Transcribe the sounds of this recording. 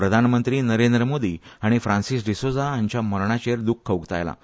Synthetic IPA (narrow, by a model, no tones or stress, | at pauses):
ɾəd̪ʱanmənt̪ɾiːnəɾend̪ɾəmod̪iaɽ̃ifɾãnsis̬ɖisod͡zaaɲt͡ɕjaməɾɳat͡ɕeɾd̪ukʰːəʋɡt̪a̰jla̰